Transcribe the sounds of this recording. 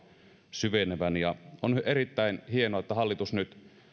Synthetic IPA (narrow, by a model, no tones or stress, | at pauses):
syʋeneʋænjɑoneɾit̪ːæinhienoɑet̪ːæɦɑlːit̪usnyt̪